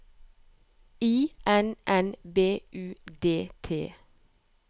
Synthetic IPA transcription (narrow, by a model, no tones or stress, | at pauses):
iːʔɛnʔɛnbeːʔʉːd̪eːt̪ʰḛː